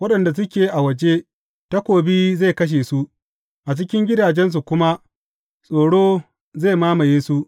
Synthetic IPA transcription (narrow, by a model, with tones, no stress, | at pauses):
wɐ˦ɗɐ˨nda˨s̬ʊ˦kʲeː˨ʔa˨wɐ˨d͡ʒe˦ | ta˦kʷoː˨bi˦ze˦˨kɐ˦ʃ̬e˨su˦ | ʔa˨t͡ʃɪ˦kʲɪ˦ŋɡʲɪ˦daː˨d͡ʒɛ˦ns̬u˨kʷʊ˦ma˦ | sʼoː˨ɽoː˦ | ze˦˨maː˦mɐ˨jeː˦su˦